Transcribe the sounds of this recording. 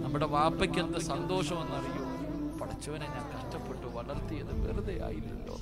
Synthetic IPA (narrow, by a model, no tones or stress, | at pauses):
nɐmːuɽeʋaːpːɐkʲːend̪ɐsɐnd̪o̞ːʂɐmenːɐrijum | pɐɽɐt͡ɕːɐʋɐneɲaːnkɐʂʈɐpːeʈːɨʋɐɭɐrt̪ijɐðɨʋḛruðeja̰ːjilːɐ̰lːo̰ː